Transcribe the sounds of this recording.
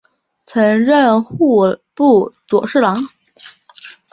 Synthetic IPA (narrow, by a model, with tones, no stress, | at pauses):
t͡sʰɤ˧˥ŋɻə˥˧nxu˥˩pu˥˩t͡swɔ̰˨˩ʂɻ̩˥˩lɑ˧˥ŋ